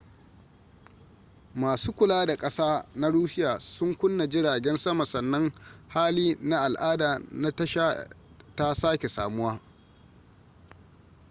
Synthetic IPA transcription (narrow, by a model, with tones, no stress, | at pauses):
maː˨suː˦kʷʊ˨laː˦da˨kʼɐ˦saː˦na˦ɽuː˦ʃɪ˦jaː˨sʊ˦ŋkʷʊ˦nːa˨d͡ʒɪ˦ɽaː˨ɡʲɛ˦nsɐ˦ma˨sɐ˨nːɐ˦ŋhaː˦liː˦na˦ʔa˨lʔaː˦daː˨na˦tɐ˦ʃaː˦ | ta˦saː˦kʲe˨sa̰ː˨mʊ˦waː˦